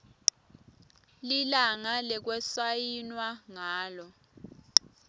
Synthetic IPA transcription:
lilaŋalɛk̬wɛsajinwaŋaːlɔ

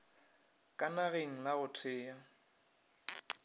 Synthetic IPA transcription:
kʼanaɣeŋ̩laɣʊtʰɪːja

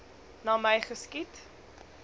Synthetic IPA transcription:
nɑːməjχəskit

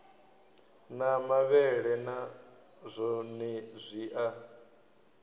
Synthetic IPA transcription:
namaβɛɺɛna | zʷɔnɛzʷiːʔa

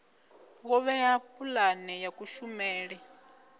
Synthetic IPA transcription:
ɣɔβɛjapulanɛjakuʃumɛːɺɛ

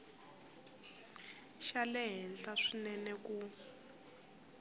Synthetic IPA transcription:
ʃalɛɦɛnɬaʂinɛnɛk̬ʼu

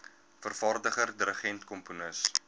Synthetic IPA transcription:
fərfɑrdəχərdəɾəχɛntkɔmpunəs

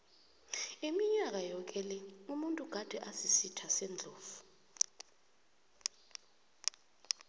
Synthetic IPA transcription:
imiɲak̬ʼajɔk̬ʼɛlɛumuntʼuɡ̥ʱad̥ʱɛʔasisitʰasɛnd͡ɮʱoːvu̥

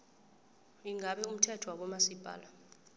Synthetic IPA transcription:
iŋaɓɛum̩tʰɛtʰɔwak̬ɔmasib̥ʱa̰ːla

